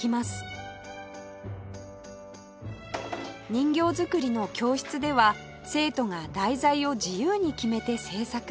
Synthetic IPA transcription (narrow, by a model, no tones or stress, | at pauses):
imasɨ̥ | ɲ̟ĩŋɡʲo̞ːzɨkɯ̟ɾʲino̞kʲo̞ːɕi̥t͡sɨd̪e̞βa | se̞ːt̪o̞ŋad̪aizaio̞d͡ʑijɯːɲ̟ikʲime̞t̪e̞se̞ːsak